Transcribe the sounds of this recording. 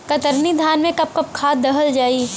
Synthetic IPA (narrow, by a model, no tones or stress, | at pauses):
kɐt̪əɾnid̪ʱjaːnmẽkɐp̚kɐp̚kʰaːt̪̚d̪ɐɦəld͡ʒaːi